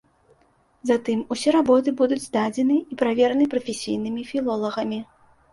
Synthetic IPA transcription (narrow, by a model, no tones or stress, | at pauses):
zat̪ɨmusʲɛɾabɔt̪̬ɨbud̪ud͡zʲzd̪ad͡zʲɛnɨipɾavʲɛɾɐnɨpɾɐfʲesʲḭjn̪ɨmʲifʲilˠɔlˠɐɣɐmʲi